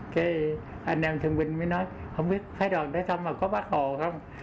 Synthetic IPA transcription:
kaː˨˦ | ʔa˧nʔɛ˧˩mt̪ʰɨ˨˩əŋɓï˨˩ŋ̟maː˨˦jnɔ˨˦j | hə˧wŋ͡mɓi˦˥ət̚fʰaː˧˦jɗwaː˨˩nt̪əː˨˦jsa˧wŋ͡mmaː˨˩kɔ˨˦ɓaː˦˥k̚hɔ˧˩˨xə˧wŋ͡m

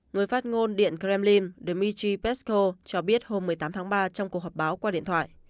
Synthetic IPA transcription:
ŋɨ˨˩əjfaː˦˥t̚ŋo˧nɗḭ˧˨ənkɾɛ˧mli˧nɗe˨˩mi˧t͡ɕi˧pɛ˦˥sko˧t͡ɕɔ˧ɓi˦˥ət̚ho˧mːɨ˨˩əjt̪aː˨˦mt̪ʰaː˨˦ŋɓaː˧t͡ɕɔ˧wŋ͡mku˨˩ək̚ɦɔː˨˩ɓaː˨˦wkwaː˧ɗḭ˧˨ənt̪wa̰ː˧˨jʔ

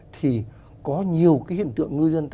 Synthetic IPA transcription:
t̪ʰi˨˩ | kɔ˨˦ɲi˨˩əwkaː˨˦jhḭ˧˨nt̪ɨ̰˧˨əŋŋɨ˧zə˧nt̪

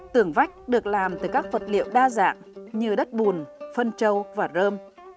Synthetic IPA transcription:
t̪ɨ˨˩əŋva˦˥jk̟̚ɗɨ˨˩ək̚laː˨˩mt̪ɨ˨˩kaː˦˥k̚və˨˩t̚lḭ˧˨əwɗaː˧za̰ː˧˨ŋɲɨ˧ɗə˦˥t̚ɓu˨˩nfə˧nt͡ɕə˧wvaː˨˩zəː˧m

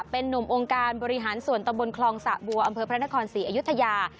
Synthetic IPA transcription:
pe˧nːu˨˩mʔoː˧ŋkaː˧nbɔː˧ɾi˦ɦaː˩˦nsu˨˩ənt̪a˧mbo˧nkʰlɔː˧ŋsa̰˨˩bu˨˧˩ɐʔa˧mpʰɤː˧pʰɾa˦˥na˥kʰɔː˧nsiː˩˦ʔaː˧ju˦˥t̪ʰːa˧jaː˧

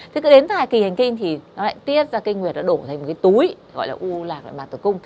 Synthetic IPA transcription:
t̪ʰe˨˦kɨ̰˧˥ɗe˨˦nt̪aː˧˩jki˨˩ha˨˩jŋ̟kï˧ŋ̟t̪ʰi˨˩nɔ˨˦la̰ː˧˨jt̪i˦˥ət̚zaː˧ki˧ŋ̟ŋwi˨˩ət̚nɔ˨˦ɗo˧˩t̪ʰa˨˩jŋmo˨˩tkaː˨˦jt̪u˨˦j | ɣɔ̰˧˨jlaː˨˩ʔu˧laː˨˩k̚laː˧˨jmaː˨˩nt̪ːkʊ˧ŋ͡m

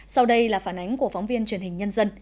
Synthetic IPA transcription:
sa˧wɗə˧jlaː˨˩faː˧˩nʔa˨˦jŋ̟ku˧˩əfɔ˨˦wŋ͡mvi˧ənt͡ɕwi˨˩ənhï˨˩ŋ̟ɲə˧nzə˧n

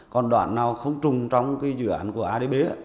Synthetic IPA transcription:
kɔ˨˩nɗwa̰ː˧˨nːaː˨˩wxə˧wŋ͡mt͡ɕʊ˨˩ŋ͡mt͡ɕɔ˧wŋ͡mkaː˨˦jzɨ̰˧˨ʔaː˧˩˨nku˧˩əʔaː˧ɗe˧ɓe˨˦

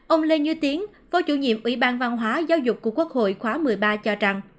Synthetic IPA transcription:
ʔə˧wŋ͡mle˧ɲɨ˧˦t̪i˨˦əŋ | fɔ˨˦t͡ɕṵ˧˩ɲḭ˧˨əmʔwḭ˧˩ɓaː˧nva˧nɦwaː˨˦zaː˨˦wzʊ˨˩k͡p̚ku˨˩əkːwək̚ho̰˧˨jxwaː˨˦mɨ˨˩əjɓaː˧t͡ɕɔ˧t͡ɕa˧ŋ

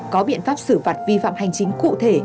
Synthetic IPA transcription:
kɔ˨˦ɓḭ˧ənfaː˦˥p̚sɨ˧˩faː˨˩t̚vi˧fa̰ː˧˨mha˨˩jŋ̟t͡ɕï˨˦ŋ̟kṵ˧˨t̪ʰe˧˩

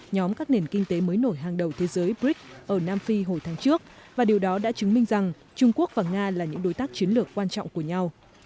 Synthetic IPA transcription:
ɲɔ˨˦mkaː˦˥k̚ne˨˩nkï˧ŋ̟t̪e˨˦məː˨˦jno˧˩jɦaː˨˩ŋɗə˨˩wt̪ʰe˨˦zəː˨˦jbɹi˦˥k̚ʔəː˧˩naː˧mfi˧ɦo˨˩jt̪ʰaː˨˦ŋt͡ɕɨ˦˥ək̚vaː˨˩ɗi˨˩əwɗɔ˨˦ɗa̰ː˧˥t͡ɕɨ˨˦ŋmï˧ŋ̟za˨˩ŋ | t͡ɕʊ˧ŋ͡mku˦˥ək̚vaː˨˩ŋaː˧laː˨˩ɲɨ̰˧˥ŋɗo˨˦jt̪aː˦˥k̚t͡ɕi˨˦ənlɨ˨˩əkːwaː˧nt͡ɕɔ̰˧˨ŋ͡mku˧˩əɲa˧w

